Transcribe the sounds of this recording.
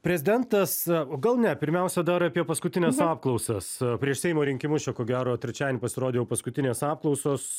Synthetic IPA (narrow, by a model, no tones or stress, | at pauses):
pʲɾʲɛzʲɪd̪ʲɛnt̪ɐsɡɐlˠnʲɛpʲɪɾʲmʲɛˑʊsʲɛd̪ɐɾɐpʲiɛpɐskʊt̪ʲɪnʲɛsɑːp̚klˠɐʊsɐspʲɾʲiɛʃsʲɛɪmoːɾʲɪŋʲkʲɪmʊt͡ʃʲɛkoːɡʲæːɾoːt̪ʲɾʲɛt͡ʃʲæːd̪ʲenʲɪpɐsʲɪɾoːd̪ʲeːjɛʊpɐskʊt̪ʲɪnʲeːsɑːpklˠɔʊsoːs